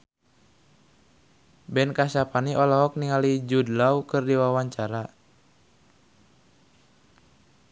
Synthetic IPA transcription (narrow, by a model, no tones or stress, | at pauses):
bɛnkaʃapaniʔɔlɔɦɔk̚niŋalid͡ʒudlawkɨrdiwawaɲt͡ʃaɾa